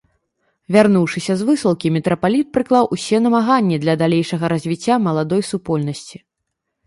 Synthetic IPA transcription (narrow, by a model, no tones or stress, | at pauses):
vʲarnuwʂɨsʲɐzvɨsɐlˠkʲimʲɛt̪ɾɐpalʲit̪̚pɾɨklˠawʔusʲɛnɐmaɣanʲːɛd̪lʲɐd̪alʲejʂɐɣɐɾazʲvʲit͡sʲːamɐlˠad̪ɔjsupɔlʲnɐsʲt͡sʲi